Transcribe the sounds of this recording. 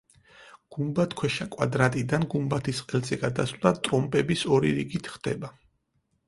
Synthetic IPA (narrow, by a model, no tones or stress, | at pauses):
ɡ̥umbat̪ʰkʰwɛʃakʼwad̪ɾat̪ʼid̪anɡumbat̪ʰisqʼɛlt̪sʼɛɡad̪aslˠd̪at̪ʼɾɔmpʼɛbisɔɾiɾiɡit̪ʰχd̪̥ɛ̰ba